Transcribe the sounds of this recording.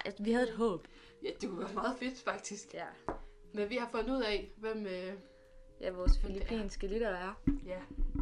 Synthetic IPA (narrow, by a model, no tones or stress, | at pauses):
ʋihæð̞ˠed̥ɦɔ̰̽ːb̥ | jæd̥e̝kʰuʋæɐmɑ̈ːð̩ˠfe̝d̥fɑ̈ɡ̥̚d̥isɡ̥jæ | menʋihɑ̈fɔ̽nd̥uð̞̰ˠɛʋem̰ø | jæʋɒːsfilipʰḭːnsɡ̥əlid̥ɐæɐjæ